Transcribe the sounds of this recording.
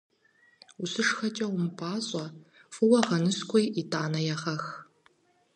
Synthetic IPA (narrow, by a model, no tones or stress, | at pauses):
ʊsɨʂxɐt͡ʃʼɐwmɨpʰʼaːɕʼɐ | fɨwɐʁɐnɨskʷɔjʔitʰʼaːnɐjɛʁɐx